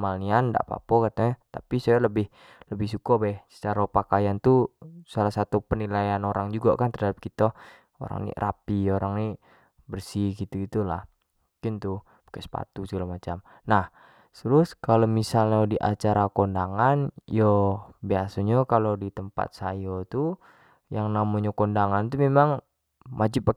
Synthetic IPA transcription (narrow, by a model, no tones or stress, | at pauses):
malnianda̰ʔpa̰pokat̪aɲat̪apisajaləbɪh | ləbɪhsukobɛhsə̥t͡ʃaɾopakajant̪usalahsat̪upənilajanoɾʔaŋd͡ʒuɡakant̪ərhadap̚kit̪a | o̰ɾa̰ŋnḭrʔa̰pioɾaŋni | bərsiɡit̪uit̪ula̰h | kint̪u | b̥u̥kasə̥pa̰t̪usɡalamat͡ʃam | nah | t̪əɾʊskalomisalnadiʔa̰t͡ʃaɾakondaŋanjobiasaɲakalodit̪əmpa̰t̪̚sajot̪u | jaŋnamoɲakondaŋant̪umemaŋ | mʔad͡ʒʊp